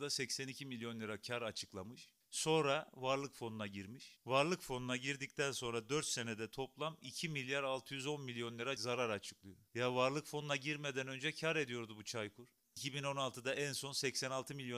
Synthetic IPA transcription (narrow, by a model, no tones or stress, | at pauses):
d̪asɛcsænicʰimilʲjo̞nlʲˠɯɾacʰaɾat͡ʃʰɯklˠamɯʃ | so̞nɾavaɾlˠɯkfo̞nunaɟiɾmiʃvaɾlˠɯkfo̞nunaɟiɾd̪ic̚t̪ʰænso̞nɾad̪ø̞ɾt̪se̞ned̪ɛt̪ʰo̞plˠamicʰimilʲjaɾalˠt̪ʰɯjyzo̞nmilʲjo̞nlʲˠɯɾazaɾaɾat͡ʃʰɯ̥klˠɯjojavaɾlˠɯkfo̞nunaɟiɾme̞d̪ænø̞nd͡ʒɛcʰaɾe̞d̪ijo̞ɾd̪ubut͡ʃʰajkʰuɾ̥ | icʰibino̞nalˠt̪ʰɯd̪aʔænso̞nsɛcsɛnalˠt̪ʰɯmilʲjo